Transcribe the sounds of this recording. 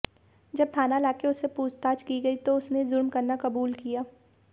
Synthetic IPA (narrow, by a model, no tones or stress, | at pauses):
d͡ʒɐb̚t̪ʰaːnalaːkeʊsːepuːd͡ʒt̪aːt͡ʃkiɡɐit̪oʊsnezʊɾmkɐɾnakɐbuːlkijaː